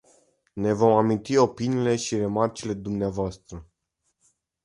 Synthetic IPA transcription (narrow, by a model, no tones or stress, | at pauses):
ne̞vo̞mamint̪io̞piniːle̞ʃire̞mart͡ʃile̞d̪umneavoast̪ɾə